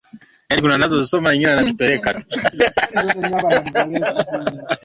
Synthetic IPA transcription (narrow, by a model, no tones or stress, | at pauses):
janikunanazɔzisɔmanaɲiŋɡinɛanatupɛɾɛkatu̥ | a